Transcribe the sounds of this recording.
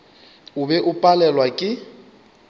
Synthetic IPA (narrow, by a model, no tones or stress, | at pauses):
ʊbɛʔʊpʼalɛlwakʼɪ